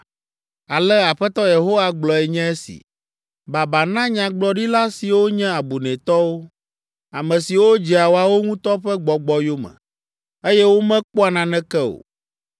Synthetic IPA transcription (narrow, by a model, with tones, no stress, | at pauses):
a˨lɛ˦a˨ɸɛ˦t̪ɔ˦je˨ɦo˦wa˦ɡ͡blɔ˨ɛ˨ɲɛ̃˦ɛ˦sḭ˨ | ba˨ba˨nã˦ɲã˨ɡ͡blɔ˨ɖi˦la˦si˨wo˦ɲɛ̃˦a˨bu˨nɛ̃˨t̪ɔ˦wo˦ | a˨mɛ̃˨si˨wo˦d͡ʒi˨a˨wo˨a˨wo˦ŋũ˦t̪ɔ˦ɸɛ˦ɡ͡bɔ˨ɡ͡bɔ˨jo˦mɛ̰̃˨ | e˦jɛ˦wo˦mɛ̃˦k͡po˦a˨nã˨nɛ̃˦kɛ˦o̰˨